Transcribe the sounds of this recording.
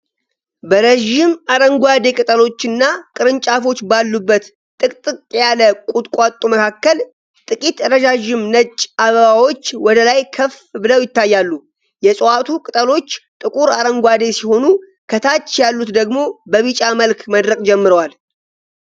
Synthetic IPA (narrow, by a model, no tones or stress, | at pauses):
bəɾəʒɪmaɾəŋɡʷad̪e̞kʼɨt̪ʼəlo̞t͡ʃːɨnːakʼɨɾɨnt͡ʃʼafo̞t͡ʃːbalːubːət̪ | t̪ʼɨkʼt̪ʼɨkʼjaləkʼut̪ʼkʷʼat̪ʼuməkʰakːəl | t̪ʼɨkʼit̪ɾəd͡ʒaʒɪmnət͡ʃʼːaβəβawo̞t͡ʃːwɔd̪əlajkʰəf | bɨləwjɪt̪ːajːalːu | jɛsʼwat̪ʰukʼɨt̪ʼəlo̞t͡ʃːt̪ʼɨkʼuɾaɾəŋɡʷad̪e̞siho̞nu | kʰət̪ʰat͡ʃːjalːut̪d̪əɡmo̞bəβit͡ʃʼaməlkʰməd̪ɾəkʼd͡ʒɛmːɨɾəwal